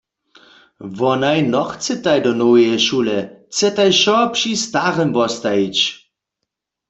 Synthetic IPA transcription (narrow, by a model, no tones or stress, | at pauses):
ʋɔnajnɔxt͡sɛt̪ajdɔnowjɛʃulɛt͡sɛt̪ajʃɔpʃist̪aʁɛmvɔst̪ajit͡ɕ